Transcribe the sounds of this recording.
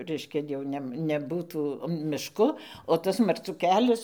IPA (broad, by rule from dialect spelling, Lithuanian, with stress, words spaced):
ˈrʲɛɪʃʲkʲɛ jɛʊ ˈnʲɛm nʲɛˈbuːtuː mʲɪʃˈkʊ oː ˈtɐs mɐrˈt͡suː ˈkʲæːlʲɛs